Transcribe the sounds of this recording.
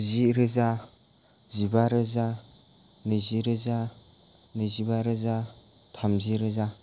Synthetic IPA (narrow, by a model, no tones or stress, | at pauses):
ziɾɯza | zibaɾɯza | nɯziɾɯza | nɯzibaɾɯza | tʰamziɾɯza